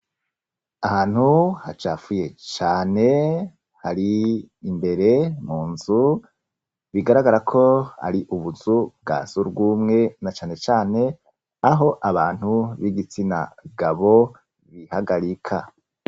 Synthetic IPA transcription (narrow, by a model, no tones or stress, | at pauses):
ahaːn̥huhat͡ʃaːfuje̞t͡ʃaːne̞ | haɾiimbe̞ɾe̞muːnzu | βiɡaɾaɡaɾakʰo̞a̰ɾiʔuβuzub̚ɡa̰ːzuɾbɡuːmŋe̞nat͡ʃaːne̞t͡ʃaːne̞ | aɦo̞ʔaβaːn̥huβiɡit͡sina̰ɡaβo̞ | βihaɡaɾikʰa